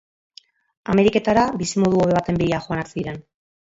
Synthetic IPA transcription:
a̰me̞ɾike̞t̪aɾabisimo̞ðuoβe̞β̞at̪e̞mbiɾiaxo̞anaɾsiiɾe̞n

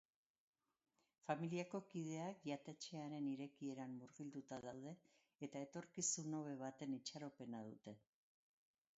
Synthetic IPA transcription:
familiako̞kið̞e̞akʝat̪e̞t͡ʃe̞aɾe̞niɾe̞kie̞ɾamːuɾɣild̪ut̪aðawðe̞ː | t̪ae̞t̪o̞ɾkisuno̞β̞e̞β̞at̪e̞nit͡ʃaɾo̞pe̞nað̞ut̪e̞

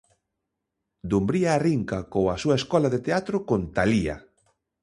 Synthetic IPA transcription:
d̪umbɾiaːriŋkakoasuaeskɔlaðet̪eat̪ɾokont̪alia̰

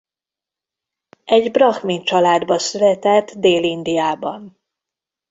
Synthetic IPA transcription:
ɛɟbrɒxmint͡ʃɒlaːd̪bɒsylɛt̪ɛt̪ːd̪eːlind̪ijaːbɒn

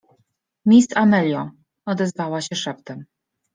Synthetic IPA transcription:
mʲist̪amɛlʲjɔ̃ | ɔd̪ɛzvawaɕɛʂɛpt̪ɛm

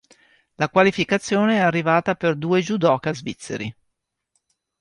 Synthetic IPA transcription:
lakwalifikat̪sːjoːneɛarːivaːt̪aperd̪uːed͡ʒud̪ɔːkazvit̪sːḛɾḭ

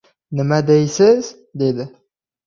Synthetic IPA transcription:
nəmad̪ejsəz | d̪ed̪ə

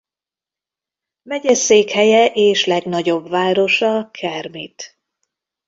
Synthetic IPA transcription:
mɛɟɛseːkhɛjɛʔeːʃlɛɡnɒɟo̞bvaːɾo̞ʃɒkʰɛrmit̪

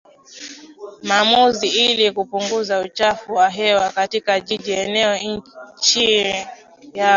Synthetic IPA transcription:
maːmuziilikupuŋɡuzaut͡ʃafuwaɦɛwakatikaʄiʄiɛnɛɔɲ̩t͡ʃi | ja

